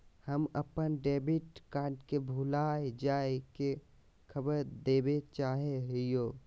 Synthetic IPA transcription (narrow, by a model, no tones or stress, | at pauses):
həmɐpənɖeːbɪʈkaːʈkebʱulaːed͡ʒaːeke | kʰəbəɾd̪eːbet͡ʃaːɦeɦijoː